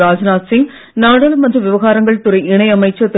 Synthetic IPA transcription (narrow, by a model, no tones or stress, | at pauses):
ɾaːd͡ʒɐnaːsɪŋ | naːɽɐːlɐmɐndrɯʋɪʋɐɣaːɾɐŋɡɐɭt̪ʊɾɐɪɪɳɐɪɐmɐɪt͡ʃːɐt̪ː